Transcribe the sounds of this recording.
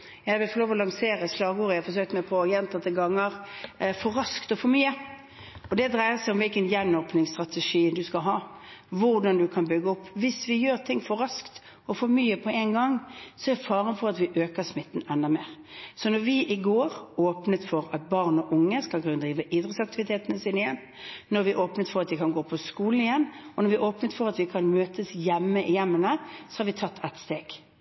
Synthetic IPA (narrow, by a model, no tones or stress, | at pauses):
jæɪʋɪlfɔɾloːʋɔlɑŋseːɾəslɑːɡuːɾəjæfɔɾs̬øːk̚t̪mæɪpʰɔjɛnt̪ɑt̪ʰɪlɡɑŋːəʁfɔɾɑskt̪ɔfɔɾmyːə | ɔd̪ɛd̪ʁæɪəsæɪʊmʋɪlkənjɛnːoːpnɪŋst̪ʁɑt̪ɛʂiːd̪ʉskɑɦɑːʋʊʁd̪ɑnd̪ʉkʰɑnbʏɡːəɔpːʋɪsʋɪjøːɾt̪ʰɪŋːfɔɾɑskt̪ | ɔfɔɾmyːəpʰɔæɪnɡɑŋːsɔɛɾfɑːʁənfɔʁɑt̪ʋɪʔøːkəʁsmɪt̪ːn̩ɛnd̪ɑmeːʁ | sɔnɔʁʋɪʔɪɡoːɾoːpnət̪fɔɾɑt̪̚bɑʁnɔʔʊŋːəskɑlkʰʉnəd̪ʁiːʋəʔɪd̪ʁət̪sɑk̚t̪ɪʋɪt̪ʰeːt̪ənəsinɪjɛn | nɔɾʋɪʔoːpnət̪fɔɾɑt̪ʋɪkʰɑnɡoːpʰɔskuːlən̩ɪjɛnːɔnɔɾʋɪʔoːpnət̪fɔʁɑt̪ʋɪkʰɑnmøːt̪əsjɛmːəʔɪjɛmːənəsɔhɑːɾʋɪt̪ʰɑt̪ʰːɛt̪st̪eːɡ̥